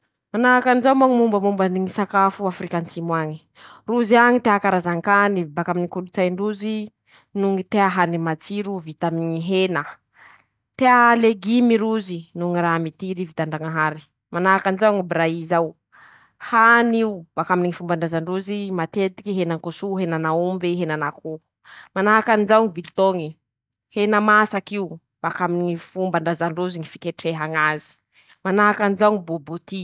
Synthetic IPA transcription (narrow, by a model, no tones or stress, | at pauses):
manaakanizawmaŋimumbəmumbaniŋisakafuafɾikansimwaɲi̥ | ruziaŋit̪eakaɾazaŋkanibakaminikulut͡sajɳɖ͡ʐuzi | nuŋit̪eaɦanimat͡siɾuvit̪amiɲiɦenə | t̪ealeɡimiɾuzinuŋiɾamit̪iɾivit̪aɳɖ͡ʐaŋaɦaɾi̥ | manaakanizawŋibɾaizaw | haniub̥akaminiŋifumbaɳɖ͡ʐazaɳɖ͡ʐuzimat̪et̪i̥kiɦenaŋkosuɦenanaumbiɦenanako | manaɦakanizawŋibilt̪oŋi | henamasakiu | b̥akaminiŋifumbaɳdazaɳɖ͡ʐuziŋifi̥keʈ͡ʂeɦaŋazi̥ | manaɦakanizauŋibobut̪i